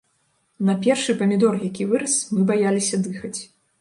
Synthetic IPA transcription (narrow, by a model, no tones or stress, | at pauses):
nɐpʲɛrʂɨpɐmʲid̪ɔrjakʲivɨɾɐsmɨbajalʲisʲɐd̪ɨxɐt͡sʲ